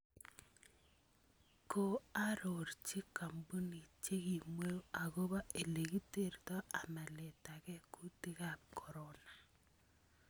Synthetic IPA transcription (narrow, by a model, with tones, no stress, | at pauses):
ko˨a˦ɾo˨ɾt͡ʃi˦ka˨mbu˦ni˨t͡ʃe˦ɡi˨mwe˦o˦a˨ɣo˦βa˦e˨le˨ɡi˦te˦ɾt̪ɔ˦a˨ma˨le˨ta˨kɛ˦ku˦ti˦ɣa˦kʰɔ˨ɾɔ˦na˨